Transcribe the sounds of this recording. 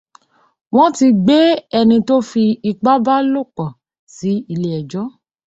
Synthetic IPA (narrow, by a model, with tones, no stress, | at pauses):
w̃ɔ̃˦ti˧ɡ͡be˦ɛ˧nĩ˧to˦fi˧i˧k͡pa˦ba˦lo˦˨kɔ˨ | si˨˦i˧le˨ɛ˨d͡ʒɔ˦